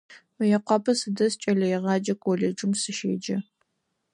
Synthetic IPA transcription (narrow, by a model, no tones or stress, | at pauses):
mɨjɛqʷɑpʰɐsɨdɐst͡ʃʼɐɮɐjɛʁɑːd͡ʒɐkʰʷʼoled͡ʒɪmsɨʃḛːd͡ʒɐ